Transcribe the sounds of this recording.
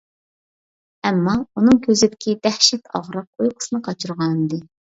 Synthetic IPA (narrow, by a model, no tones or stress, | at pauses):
ɛmːɑunɨŋkʲʰøzɪd̪ɪkʲʰid̪æhʃɛt̪ʰɑ̰ʁɾɑq̚ojqʰʊ̥sɨnɨqʰɑt͡ʃʰɨɾʁɑnd̪ɨ